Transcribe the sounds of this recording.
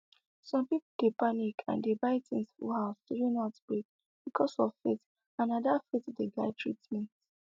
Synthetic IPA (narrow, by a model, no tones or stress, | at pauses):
sɔ̃mpipud̥epanikʰã̰ndebaɪtɪ̰̃ŋsfṵhavtiɾĩnatb̥ɹek̚ | b̥ikʰɔsɔvfet | ãnɔdafetdeɡaɪtʰɹḭtmɛ̃t